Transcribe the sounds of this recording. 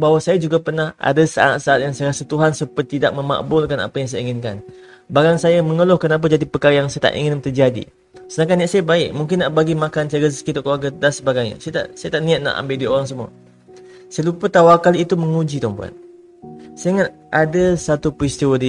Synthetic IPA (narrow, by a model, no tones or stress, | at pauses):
bawasajad͡ʒuɡapərnaha̰dasəaa̰t̪̚saat̪̚jaŋsaasət̪uɦansəpərt̪ːidaʔ̚məma̰ʔbʊlkana̰pajaŋs̬ajaiŋɪnka̰n | baɡaŋsajaməŋəlɔhkənap̬ad͡ʒadipəkaɾajaŋsajat̪a̰ʔḭŋɪnt̪ərd͡ʒadḭ | sənakaniaʔsajabaɪʔ̚muŋk̬ɪnːaʔbaɡimakansaɡəzə̥kit̪ɔʔkəlwarɡadansəbaɡajɲa̰sajat̪a̰ʔsajat̪aʔnĩat̪̚na̰ʔa̰mbɪldioɾaŋsəmuə̰ | səlupət̪awarkaliːt̪uməŋud͡ʒit̪ɔŋpua̰t̪̚ | saiŋat̪̚ | ʔadasat̪upɾist̪iwadi